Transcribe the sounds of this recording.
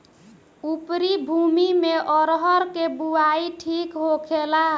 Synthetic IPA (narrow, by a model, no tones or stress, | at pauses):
upɾibʱumimeʔɔɾɦəɾkebuaiʈʰikɦokʰelaɦ